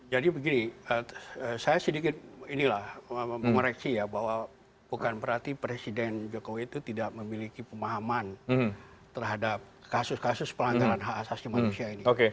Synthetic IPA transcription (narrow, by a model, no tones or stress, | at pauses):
d͡ʒadibəɡiniəəsajasədikɪt̪̚inilahəməŋoɾɛksijabaɦwa | b̥ukanbəɾart̪ipɾesidɛnd͡ʒokowiːt̪ut̪idaʔ̚məmilikipəmaɦaman | t̪ərɦadap̚kasʊskasʊspəlaŋɡaɾanɦaːsasimanusiainioke